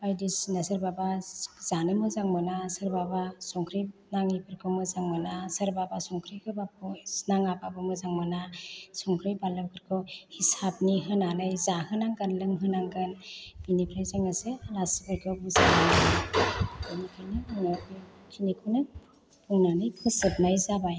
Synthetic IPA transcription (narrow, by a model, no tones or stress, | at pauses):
ajdisnasɯɾbabaz̥anɯmɯzaŋmɯnasɯɾbabasɔŋkʰɾinaŋibʰɯɾkʰɯmɯzaŋmɯnasɯɾbabasɔŋkʰɾijkʰɯbap̚ʰɔsnaŋababɯmɯzaŋmanasɔŋkʰɾijbalɯkʰɯɾkʰɔhisab̚niɦɯnanɯjzahɯnaŋɡɯnlɯŋɦɯnaŋɡɯnb̥inipʰɾajzaŋaselasbɯɾkʰɔbɯsananana | anikʰajninɔ | kʰinikʰɯnɯ | pʰuŋnanɯjpʰɯsɯp̚najzabaj